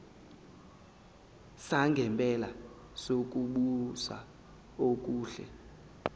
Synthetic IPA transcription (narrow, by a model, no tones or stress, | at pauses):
saŋɡʱɛmpʼɛla | sok̬ʼuɓusa̰ | ok̬ʼuːɬɛ̰